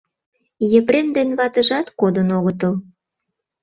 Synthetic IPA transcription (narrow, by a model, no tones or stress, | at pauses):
jə̆pɾemd̪enβɑt̪əʒɑt̪kod̪ənoɣət̪əl